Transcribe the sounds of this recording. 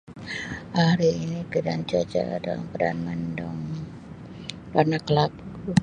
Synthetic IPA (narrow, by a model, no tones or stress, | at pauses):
ʔahɾiːnikədand͡ʒad͡ʒa̰dala̰mpədanmandɔŋ | panakəlak